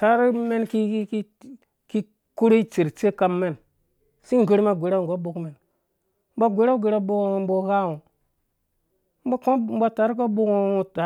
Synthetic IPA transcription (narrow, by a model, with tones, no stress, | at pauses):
ta˨˦ɾi˦me˦nki˦k | ki˦ | ku˦ɾe˦i˦t͡ʃe˨ɾt͡ʃe˦ka˦mːe˦˨n | si˦ŋ˨ɡe˦ɾma˦ɡʷe˨ɾa˦wɡo˦bo˨kme˨n | m̩˦ba˦ɡʷe˨˦ɾa˦ɡe˨ɾa˦bo˦kbo˨˦ha˦wu˨ | m˦ba˦ko˦m̩˦ba˨ta˨˦ɾi˦k̬o˦bo˦ko˦u˦ta˨˦